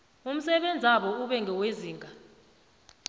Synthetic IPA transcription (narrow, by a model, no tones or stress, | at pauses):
um̩sɛɓend͡zʱaɓɔuɓɛŋɡʱɛweziːŋɡʱa